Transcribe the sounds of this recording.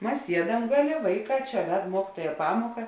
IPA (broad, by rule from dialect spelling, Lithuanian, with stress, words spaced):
ˈmɐs ˈsʲiɛdɐm ˈɡɑːˌlʲeː ˈʋɐɪˌkɑː ˈt͡ʃʲɛ ˈʋʲɛt ˈmuɔkʲɪtuɔjɛ ˈpɑːmoːkɐ